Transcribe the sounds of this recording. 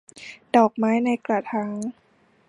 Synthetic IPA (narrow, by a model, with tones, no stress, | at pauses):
d̥ɔː˨˩k̚maː˦˥jna˧jkla˨˩t̪ʰaː˧˦˥ŋ